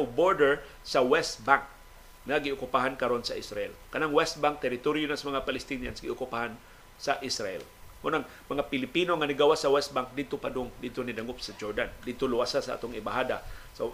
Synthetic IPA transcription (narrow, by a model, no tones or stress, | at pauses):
wboɹd̪ɛɹ | sawɛst̪̚baŋk̚ | ŋaɡɪʊkʊpaɦankɐɾonsɐʔɪsɾa̰ʔɛlkɐnaŋwɛst̪̚baŋk̚t̪ɛɾɪt̪oɾjʊnasamɐŋapalɪst̪inja̰nsɡɪʔʊkʊpahan | saʔɪsɾaʔɛ̰lunaŋ | mɐŋapɪlɪpinoŋanɪɡawasɐwɛst̪̚baŋk̚d̪ɪd̪̚t̪opad̪ʊŋd̪ɪd̪̚t̪onɪd̪aŋʊpsad͡ʒoɹd̪and̪ɪd̪̚t̪olʊwasasaʔa̰ːt̪oŋɪbahad̪asa